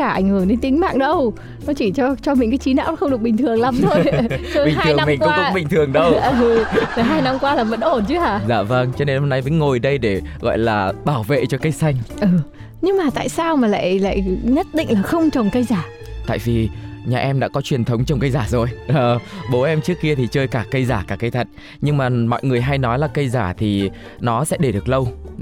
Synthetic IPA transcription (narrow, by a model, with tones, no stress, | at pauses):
kaː˧˩ʔa˧˩ŋ̟hɨː˧˩ne˧˦nt̪ï˨˦ŋ̟ma̰ː˧˨ŋɗə˧w | nɔ˨˦t͡ɕi˧˩t͡ɕɔ˧t͡ɕɔ˧mï˨˩ŋ̟kaː˨˦t͡ɕi˨˦na̰ː˧˥wxə˧wŋ͡mɨ˨˩ək̚ɓï˨˩ŋ̟t̪ʰɨ˨˩əŋla˨˦mt̪ʰo˧jə˧ɓi˨ŋt̪ːʰɨ˨˩ə˧mi˨˩ŋkʊ̰˧˥˧k̚ːɓï˨˩ŋ̟t̪ʰɨ˨˩əŋɗə˧wa˨˩ɦaː˧jna˧mkwaː˧laː˨˩və̰˧˥nʔo˧˩nt͡ɕɨ˨˦ʔaː˧˩zaː˧˩və˧nt͡ɕɔ˧ne˧nho˧mna˧jmə̰˧˦jŋo˨˩jɗə˧jɗe˧˩ɣɔ̰˧˨jlaː˨˩ɓaː˧˩wvḛ˧˨t͡ɕɔ˧kə˧jsa˧jŋ̟ʔəː˨˩ | ɲɨ˧ŋmaː˨˩t̪a̰ː˧˨jsaː˧wmaː˨˩la̰ː˧˨jla̰ː˧˨jɲə˦˥t̚ɗḭ̈˧˨ŋ̟laː˨˩xə˧wŋ͡mt͡ɕə˨˩wŋ͡mkə˧jzaː˧˩ | t̪a̰ː˧˨jvi˨˩ɲaː˨˩ʔɛ˧mɗa̰ː˧˥kɔ˨˦t͡ɕwi˨˩ənt̪ʰə˨˦wŋ͡mt͡ɕɔ˧wŋ͡mkə˧jzaː˧˩zo˨˩jʔəː˨˩ɓo˨˦ʔɛ˧mt͡ɕɨ˦˥kːi˧ət̪ʰi˨˩t͡ɕəː˧jkaː˧˩kə˧jzaː˧˩kaː˧˩kə˧jt̪ʰə˨˩t̚ | ɲɨ˧ŋmaː˨˩mɔ̰˧˨jŋɨ˨˩əjɦa˧jnɔ˨˦jlaː˨˩kə˧jzaː˧˩t̪ʰi˨˩ | nɔ˨˦sɛ̰˧˥ɗe˧˩ɗɨ˨˩ək̚lə˧w